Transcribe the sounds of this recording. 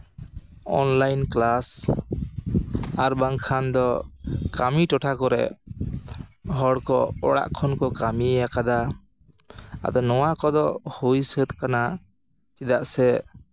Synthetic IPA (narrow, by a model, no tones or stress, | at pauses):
ɔ̰nlajnklas | aɾbaŋkʰand̪ɔkamiʈɔʈʰakɔɾɛ̰ʔ | ɦɔɽkɔɔɽa̰ʔkʰɔnkɔkamiɛjakad̪a | a̰d̪ɔnɔwakɔd̪ɔhujsət̪kana | t͡ʃid̪aʔsɛ